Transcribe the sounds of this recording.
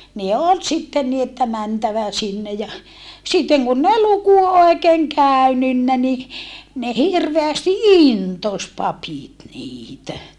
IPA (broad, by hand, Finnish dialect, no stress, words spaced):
ne ol sitːen ni etːæ mæntæʋæ sinːe jɑ sitːeŋ kunː ei luku oˑikeːŋ kæˑy̞nynːæ ni ne hirʋeæsti intos pɑpit niːtæ